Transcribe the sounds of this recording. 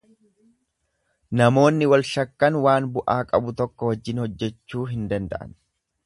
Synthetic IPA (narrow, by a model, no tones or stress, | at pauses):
nɐmo̞ːnːɪwɐlʃɐkːɐnwaːnbʊʔaːkʼɐbʊt̪ɔkːɔwɐd͡ʒːɪnhɔd͡ʒːɛt͡ʃːuːɦɪnd̪ɐnd̪ɐ̰ʔɐ̰n